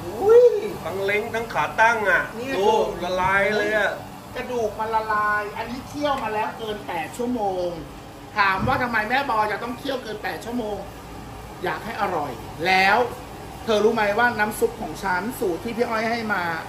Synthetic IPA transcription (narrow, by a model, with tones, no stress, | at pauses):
u˦˥jfa˧ŋle˦˥ŋt̪ʰa˦˥ŋkʰaː˩˦t̪a˥˩ŋʔa˨˩iː˥˩oː˧˩la˧laː˧jlɤː˧jʔa˨˩ | ka˧˩duː˨˩k̚ma˧la˧laː˧˥jʔa˧nːiː˦˥kʰi˥˩əwmaː˧lɛː˦˥wkɤː˧npɛː˨˩t̪̚t͡ɕʰu˥˩əmoː˧ŋ | t̪ʰaː˩˦mwaː˥˩t̪ʰa˧mːaː˧jmɛː˥˩bɔː˧ja˨˩t̪ɔ˥˩ŋkʰi˦˥˩əwkɤː˧npɛː˨˩t̪̚t͡ɕʰu˥˩əmoː˧ŋ | jaː˨˩k̚ha˥˩jʔa˧ɾɔ˨˩j | lɛː˦˥w | t̪ʰɤː˧ɾuː˦˥ma˦˧˥jwaː˥˩naː˦˥msu˦˥k̚kʰːɔː˩˦ŋt͡ɕʰa˦˥nsuː˨˩tʰiː˥˩pʰi˦˥˩ʔɔ˥˩jɦa˥˩jmaː˧